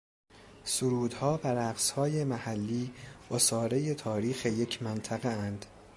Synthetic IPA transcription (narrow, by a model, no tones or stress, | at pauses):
soɾuːd̪hɒːbæɾæɡshɒːjemæhælːiːosɒːɾeje̞t̪ʰɒːɾiːxe̞je̞cʰmænt̪ʰæɣeænd̪̥